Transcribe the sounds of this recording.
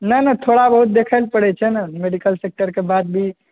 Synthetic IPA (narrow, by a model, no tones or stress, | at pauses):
nənət̪ʰoɽabəɦut̪̚d̪ekʰəlpəɽɛt͡ʃʰɛnəmeɖikəlsek̚ʈəɾkebad̪̚bʱi